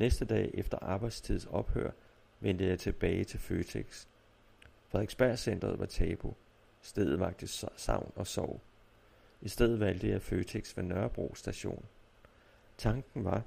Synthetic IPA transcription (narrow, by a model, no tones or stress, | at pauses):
nesd̥əd̥ɛ̰ːʔefd̥ɐʔɑ̈ːb̥ɑ̈ɪd̥st͡sʰið̞̰ˠsɒ̽b̥hø̰ɐ̰ | ʋen̰d̥əjɑ̈ɪt͡sʰe̝b̥ɛːɪt͡sʰe̝lføːt͡sʰeɡ̥s | fʁɑ̈eɡ̥sb̥æɐ̰send̥ʁɐð̞̩ˠʋɑ̈t͡sʰɛːb̥o̝ | sd̥eð̞̰ˠð̩ˠʋɑ̈ɡ̥̚d̥əsɑ̈ʊ̰nɒ̽sɒʊ̰ | isd̥eð̰̩ˠʋæl̰d̥əjɑ̈ɪføːt͡sʰeɡ̥sʋenɶɐb̥ʁo̰ːsd̥æɕo̝̰ːn | t͡sʰɑ̈ŋɡ̥n̩ʋɑ̈